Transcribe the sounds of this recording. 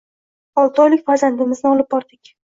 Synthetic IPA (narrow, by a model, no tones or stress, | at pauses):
ɒlˠt̪ʰɒjlɪkʲfaɾzand̪ɪmɪznɪɒlɪb̚bɒɾd̪ɪkʲ